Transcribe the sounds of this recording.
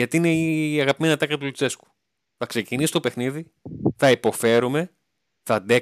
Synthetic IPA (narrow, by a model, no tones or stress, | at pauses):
ɐt̪iineiɐɣɐpime̞nɐt̪ɐklɐt̪ulut͡se̞sku̥ | θɐkse̞cinisist̪o̞pexniði | θɐipo̞fe̞ɾume̞ | θɐnd̪e